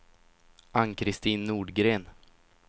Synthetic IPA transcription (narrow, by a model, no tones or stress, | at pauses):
ʔankʰɾɪst̪iːnːuːɖɡɾeːn